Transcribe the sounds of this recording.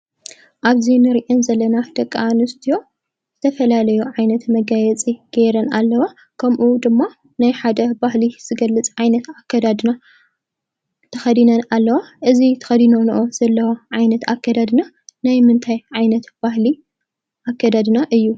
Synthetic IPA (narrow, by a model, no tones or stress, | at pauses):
ʔaβzinɨɾʔenzɐlːɐnad̪ɐkʼːanɨst̪ʰijo̞ | z̥ɨt̪ʰɐfɐlalɐjuʕajnɐt̪mɐɡajɛt͡sʼiɡ̥eɾɐna̰lːɐwa | kʰɐmʔud̪ɨmːa | najħad̪ɐbahliz̥ɨɡɐlːɨt͡sʼʕajnɐt̪akːɐd̪ad̪na | t̪ʰɐxɐd̪inɐnalːɐwaʔɨzit̪ʰɐ̥xɐd̪inonɨʔoz̥ɐlːɐwaʕajnɐt̪akːɐd̪ad̪na | najmɨnt̪ʰajʕajnɐt̪b̥ahli | ʔakːɐd̪ad̪naʔɨjːu